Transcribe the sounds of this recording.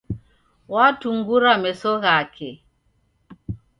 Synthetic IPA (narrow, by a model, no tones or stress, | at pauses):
watuŋɡuɾamɛsɔɣakʰɛ